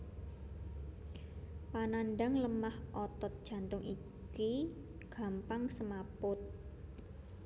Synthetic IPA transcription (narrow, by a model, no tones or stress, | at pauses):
pananɖaŋləmahʔɔt̪ɔt̪̚d̥ʒ̥ä̤nt̪ʊŋi | ki | ɡ̥a̤mpaŋsəmapʊt̪̚